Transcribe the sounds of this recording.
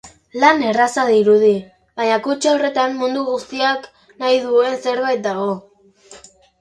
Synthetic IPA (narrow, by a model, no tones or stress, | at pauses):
lane̞rasaðiɾuð̞i | βaɲakut͡ʃore̞t̪ammund̪uɣust̪iak | najðue̞nse̞ɾβajt̪̚d̪aɣ̞o̞